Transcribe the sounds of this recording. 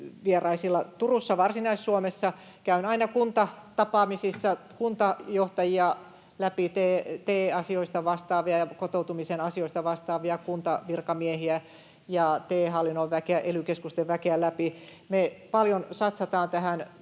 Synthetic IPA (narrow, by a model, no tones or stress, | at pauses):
ʋierɑisilːɑt̪urusːɑʋɑrsinɑissuomesːɑ | kæynɑinɑkunt̪ɑt̪ɑpɑːmisisːɑkunt̪ɑjoht̪ɑjiɑ | læpit̪eːt̪eːɑsioist̪ɑʋɑst̪ɑːʋiɑjɑkot̪out̪umisenɑsioist̪ɑʋɑst̪ɑːʋiɑkunt̪ɑʋirkɑmiehiæ | jɑt̪eːɦɑlːinoʋʋækeæʔelykeskust̪eʋʋækeælæpi | mepɑljonsɑt̪sɑt̪ɑːnt̪æhæn